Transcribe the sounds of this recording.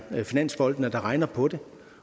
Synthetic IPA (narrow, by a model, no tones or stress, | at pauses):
finæn̰sb̥ɒ̽l̰d̥n̩əd̥ɑ̈ʁɑ̈ɪnɐpʰɒ̽d̥e̝